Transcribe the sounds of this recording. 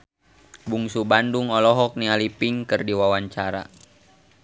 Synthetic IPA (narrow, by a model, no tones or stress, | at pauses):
buŋsubanduŋɔlɔɦɔk̚nialipiŋkɨrdiwawaɲt͡ʃaɾa̰